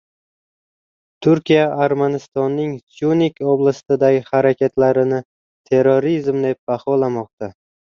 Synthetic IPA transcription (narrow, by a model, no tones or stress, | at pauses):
t̪ʰʊɾkʲʰijaːɾmanɪst̪ɒnːɪŋsjunikʰʲɒblˠast̪ɪd̪aɡʲɪhaɾakʲʰat̪ʰlaɾɪnɪ | t̪ʰe̞ɾoɾizmd̪e̞p̚bahɒlamɒq̚t̪a